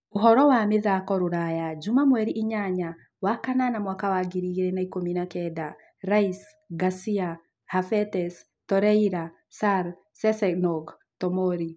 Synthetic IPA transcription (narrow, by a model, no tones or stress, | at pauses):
oɦɔɾɔwameðakɔɾoɾajad͡ʒumamwɛɾiʔiɲaɲa | wakananamwakawaɡiɾiɾɛnaikominakɛda | ɾais | ɡasia | hafɛtɛs | tɔɾɛiɾa | saɾ | sɛsɛnɔɡ | tɔmɔɾi